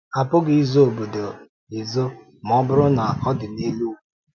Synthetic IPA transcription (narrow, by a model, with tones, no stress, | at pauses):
a˨pʊ˦ɡɪ˦˨i˦zo˦o˨bo˨do˨ | ɪ˨zo˦ | m˨˦ɔ˦bʊ˦ɾʊ˦na˨a˨kɔ˦dɪ˨ne˦lu˦˨